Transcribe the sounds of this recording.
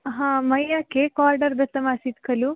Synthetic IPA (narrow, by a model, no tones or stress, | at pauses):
ɦãːmɐjːakeːkaːɾɖɐɾd̪ɐt̪ːɐmaːsit̪kʰɐlu